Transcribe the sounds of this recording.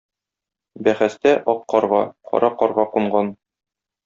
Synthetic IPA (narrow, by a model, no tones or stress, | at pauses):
bæχæst̪æʔɒqːɒɾʁɑqʰɒ̰ɾʔɑqɒɾʁɑquɴɢɑn